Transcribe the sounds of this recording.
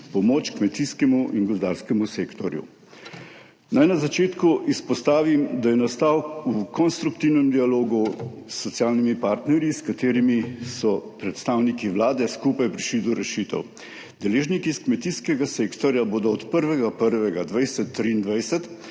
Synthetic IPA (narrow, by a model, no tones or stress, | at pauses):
pɔmoːt͡ʃkmɛt̪iskɛmuʔiŋɡɔzd̪a̰ɾskɛmuseːkt̪ɔɾjṵ | najnazat͡ʃeːt̪kuʔispɔst̪aːʋimd̪ajɛnast̪awukɔnst̪ɾukt̪iwnɛmd̪ialoːɡusːɔt̪sijaːlnimipaɾt̪nɛɾjiskat̪eːɾimisɔpɾɛt̪st̪awnikiʋlaːd̪ɛskupajpɾiʃlid̪ɔɾɛʃiːt̪ɛ̰w | d̪ɛleːʒnikiskmɛt̪iskɛɡaseːkt̪ɔɾjaboːd̪ɔɔt̪pəɾʋɛɡapəɾʋɛɡad̪ʋajsɛt̪ːɾiːnd̪ʋajsɛt̪